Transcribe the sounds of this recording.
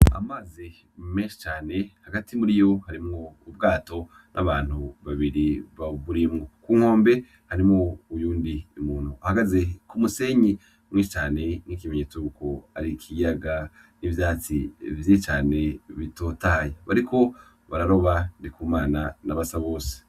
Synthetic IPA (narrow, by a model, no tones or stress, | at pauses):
a̰maːzi | meːnʃi̥t͡ʃaːne̞haɡatʰimuɾijo̞haɾimŋo̞ub̚ɡaːto̞ | nʔaβaːn̥huβaβiɾiβaβuɾimŋokuːŋ̥ho̞ːmbe̞ | haɾimŋo̞ujuːndiːmuːn̥uʔahaɡaze̞kumuse̞ːɲi | mŋiːʃit͡ʃaːne̞n̥ik̬imeɲeːt͡suko̞aɾikʰijaɡa | nivjaːt͡sivjit͡ʃaːne̞βito̞taːjaβaɾikʰo̞ | βaɾaɾo̞βandikuːmaːnanaβasaβo̞ːse̥